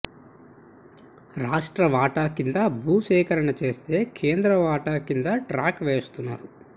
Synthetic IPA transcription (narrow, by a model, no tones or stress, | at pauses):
ɾaːʂʈɾɐʋaːʈaːkind̪abuːʃɛːkɐɾɐɳɐt͡ʃe̞ːst̪e̞ːkʰeːnd̪ɾɐʋaːʈaːkind̪ɐʈɾaːkʋeːst̪unːa̰ːɾu